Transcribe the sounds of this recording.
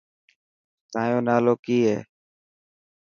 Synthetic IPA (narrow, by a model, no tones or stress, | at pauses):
t̪aːjõːnaːloːkiːɦḛː